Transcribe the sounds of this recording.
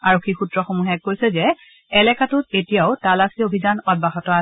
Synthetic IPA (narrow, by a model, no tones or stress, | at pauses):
aɹokʰːixutɹɔxomuɦɛk̚ːojsɛzɛ | ɛlɛkatʊtetijaʊtalasʰiobʱizanɔd̚baxɔtɔa